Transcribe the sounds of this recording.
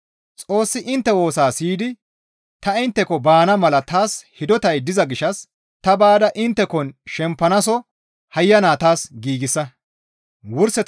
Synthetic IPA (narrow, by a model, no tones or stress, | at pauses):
t͡sʼo̞ːsːɪʔɪnt̪ːɛwo̞ːsaːsiːd̪ɪ | t̪ɐɪnt̪ːɛkɔbaːnɐmɐlɐt̪aːshɪd̪ɔt̪ɐjd̪ɪzɐɡɪʃɐs | t̪ɐbaːd̪ɐʔɪnt̪ːɛkɔnʃɛmpːɐnɐs̬ɔ | hɐjːɐnaːt̪aːsɡiːɡɪsːɐ | wʊɾsɛ